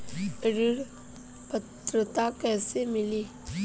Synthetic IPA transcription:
ɾɪɾ | pət̪ɾət̪akɛːsemɪliː

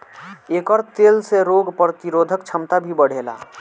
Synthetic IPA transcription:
eːkɔɾt̪elseɾoɡpɾət̪iɾoːd̪ʱəkt͡ʃʰəmt̪abʱibəɽ̤ela̰

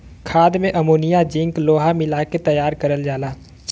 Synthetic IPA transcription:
kʰaːd̪mẽʔɐmoːnijad͡ʒɪ̃ŋkloːɦamɪlaket̪ɐjaːɾkɐɾəld͡ʒaːlaː

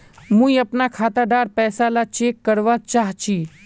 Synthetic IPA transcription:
mũiɐpnakʰaːt̪aɖaːɾpɛːsalat͡ʃeːkːəɾʋat͡ʃaːɦt͡ʃʰi

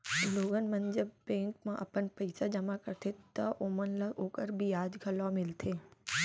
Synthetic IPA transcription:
loːɡənmɐnd͡ʒəbbẽːŋkmãʔɐpənpɐɪsad͡ʒɐmakɐɾt̪ʰet̪ɐʔoːmənlɐɡoːkəɾbʱiaːd͡ʒɡʰʱɐlamɪlt̪ʰeː

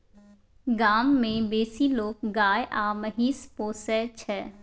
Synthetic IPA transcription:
ɡaːmːẽbeːsiloːk̚ɡaːjeʔaːmɐɦiːspoːsɛːt͡ʃʰɛː

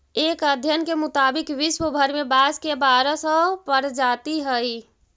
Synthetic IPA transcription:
eːkəd̪ʱjənkemʊt̪aːbɪkʋɪʃwəbʱəɾmebaskebaːɾəsə̃pəɾd͡ʒaːt̪iɦəj

